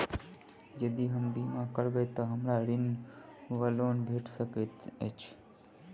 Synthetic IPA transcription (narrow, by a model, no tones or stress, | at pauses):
d͡ʒəd̪iɦəmbimãkəɾʋet̪oɦəmɾaɾin | ʋəlonbʱeʈsəket̪ḛt͡ʃʰ